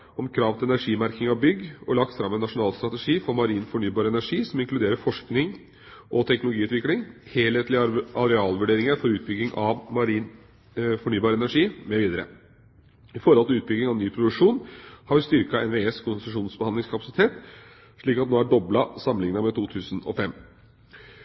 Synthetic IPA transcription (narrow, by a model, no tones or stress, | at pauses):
ɔmkʰɾɑːʋt̪ʰɪɛnæʂiːmæɾkɪŋɑbʏɡːɔɭɑkt̪fɾɑmːɛnːɑʂʊnɑːlst̪ɾɑt̪ɛʂiːfɔɾmɑɾiːnfɔɳyːbɑːɾəɛnæʂiːsɔmɪŋklʉd̪eːɾəfɔʂknɪŋ | ʔɔt̪ʰɛknʊlʊɡiːʉːt̪ʋɪklɪŋheːlheːt̪lɪɑɾɛɑːlʋʉɖeːɾɪŋəɾfɔɾʉːt̪̚bʏɡ̪ːɪŋʔɑʋmɑɾiːn | fɔɳyːbɑːɾəɛnæʂiːmɛʋiːd̪əɾə̰ | ɪfɔɾəɔlt̪ɪʉːt̪̚bʏɡːɪŋɑʋnyːpʰɾʊd̪ʉʂuːnhɑɾʋɪst̪ʏɾkɑɛnʋeːɛskʰʊnsst̪ʂuːnsbəɑnd̪ɪŋskʰɑpɑsɪt̪ʰeːt̪ | ʂɭiːkɑt̪̚noːæɖɔblɑsɑmːənɪŋnəmɛt̪ʰuːt̪ʰʉːsən̩ɔ̰fɛm